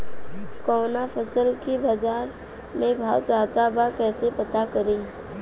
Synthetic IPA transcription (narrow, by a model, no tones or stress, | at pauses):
kɔːnapʰəsəlkibaːd͡ʒaːɾ | mẽbʱa̰ːwt͡ʃaːt̪abakɛːsepɐt̪akəɾẽː